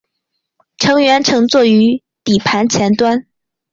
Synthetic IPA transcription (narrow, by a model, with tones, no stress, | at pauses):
ʈ͡ʂʰɤ˧˥ŋɥɛ˧˥nʈ͡ʂʰɤ˧˥ŋt͡swɔ˥˩y˧˥ | t̪i˨˩pʰa˧˥nt͡ɕʰjɛ˧˥nt̪wa˥n